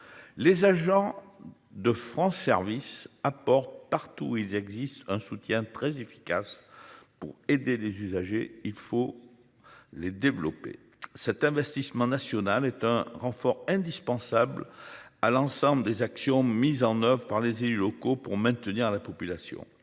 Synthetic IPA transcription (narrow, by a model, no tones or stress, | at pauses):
lezaʒɑ̃ | d̪əfχɑ̃sɛʁvisapɔʁt̪̚paʁt̪uilzɛɡzist̪ɛ̃sut̪jɛ̃t̪χɛzefi̥ka̰spuʁed̪elezyzaʒeilfo | led̪evlɔ̰pḛ | sɛt̪ɛ̃vɛst̪ismɑ̃nasjɔnalɛt̪ɛ̃ʁɑ̃fɔʁɛ̃d̪ispɑ̃sablalɑ̃sɑ̃bləd̪ezaksjɔ̃mizɑ̃nœvʁəpaʁlezelylɔkopuʁmɛ̃t̪əniʁlapɔpylasjɔ̰̃